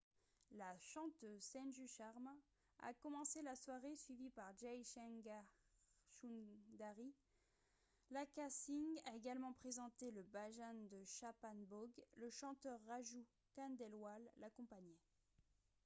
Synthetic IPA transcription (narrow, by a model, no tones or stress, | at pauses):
laʃɑ̃t̪øzsɛ̃nʒyʃaʁm | a̰kɔmɑ̃selaswaʁesɥivipaʁʒajʃɛɡa | ʃud̪aʁi | lakasiŋɡaeɡalmɑ̃pχezɑ̃t̪eləbaʒand̪əʃapanbɔɡləʃɑ̃t̪œʁːaʒu | kand̪ɛlwalːakɔ̃paɲɛ